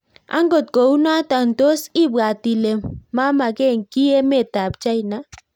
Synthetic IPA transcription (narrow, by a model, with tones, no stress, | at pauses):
a̰˦ŋɡo˨t̚ko˨u˦na˦ta˨n˨to˦si˦˨ba˨ti˨le˨mːa˦ma˨kɛ˦˨ŋki˦e˦me˦˨ta˨p̚t͡ʃa˦i˨na˦